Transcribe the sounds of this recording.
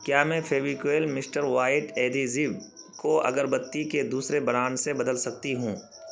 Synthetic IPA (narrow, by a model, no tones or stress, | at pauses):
kjaːmɛ̃fʰeːʋikweːlmɪsʈəɾʋaːɪʈeːd̪izib | koɐ̰ɡəɾbɐt̪ːiked̪uːsɾebɐɾaːnsebɐd̪əlsɐk̚t̪iɦũː